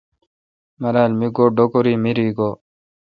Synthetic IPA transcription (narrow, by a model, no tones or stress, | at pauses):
mɐɾaːlmiɡoːɖokoɾiːmiɾiːɡoː